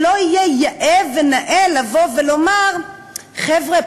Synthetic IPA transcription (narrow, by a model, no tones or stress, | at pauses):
loijejaʔevenaʔelavovelomaʁ | χɛvʁe